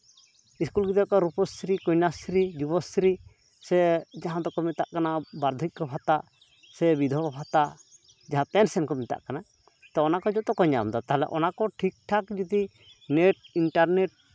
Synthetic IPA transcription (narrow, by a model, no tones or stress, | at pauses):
iskulɡid̪akɔɾupɔsɾikɔjnasɾid͡ʒubɔsɾi | sɛd͡ʒaɦãd̪ɔkɔmɛt̪aʔkanabaɾd̪ʱik̚kɔbʰʱat̪a | sɛbid̪ʱɔkɔbʰʱat̪aʔ | d͡ʒaɦãpɛnsɛnkɔmɛt̪a̰ʔkana | t̪ɔɔnakɔd͡ʒɔt̪ɔkɔɲa̰md̪ɔt̪aɦɛlɛ̰ʔɔnakɔʈʰik̚ʈʰakd͡ʒud̪i | neʈ̚iɳʈaɾneʈ̚